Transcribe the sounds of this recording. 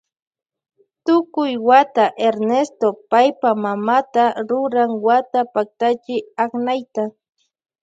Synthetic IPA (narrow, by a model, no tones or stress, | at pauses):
t̪ʊkʊjwat̪aʔeɾnest̪opajpamamat̪aɾʊɾaŋwat̪apak̚t̪at͡ʃɪaχnajt̪a